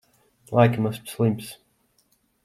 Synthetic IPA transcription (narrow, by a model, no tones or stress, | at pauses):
lʔaɪkəmʌspslĩmps